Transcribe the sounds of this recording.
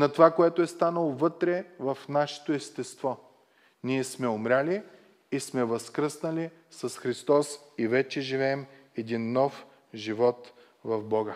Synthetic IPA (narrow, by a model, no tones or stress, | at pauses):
nɐt̪ovakoɛt̪oɛst̪anəlˠovɤt̪ɾɛvɐfnaʃɛ̥t̪oɛst̪ɛst̪vɔ | niɛsmɛʊmɾʲali | ismɛvɐskɾəsnɐli | sɐsxɾist̪ɔsivɛt͡ʃɛʒivɛːm | ɛd̪inːɔf | ʒivɔt̪ | vɐvbɔɡə